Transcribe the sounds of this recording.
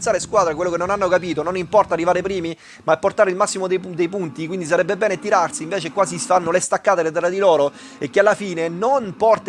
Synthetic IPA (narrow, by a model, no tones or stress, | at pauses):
t̪saːɾeskwaːd̪ɾek̬welːokenːonanːokapiːt̪ononimpɔrt̪aːrːivaːɾepɾiːmi | maepːort̪aːɾeilmasːimod̪ed̪ejpunt̪ikwind̪is̬aɾɛbːebɛːnet̪iɾarsiiɱveːt͡ʃekːwaːzifanːolest̪akːaːt̪elet̪ɛrːad̪ilɔːɾo | ek̟ːealːafiːnenonpɔrt̪